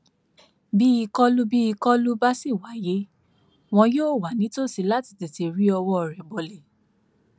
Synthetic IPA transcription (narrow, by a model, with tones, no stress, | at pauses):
bi˦i˧kɔ˦lu˦bi˦i˧kɔ˦lu˦ba˦si˦˨wa˨˦je˨˦ | w̃ɔ̃˧joː˦˨wa˨˦nĩ˨˦to˦˨si˧la˦ti̥˧˨ti˨ti˧ɾi˦ɔ˧wɔ˦ɔ˧˨ɾɛ˨bɔ˨le˨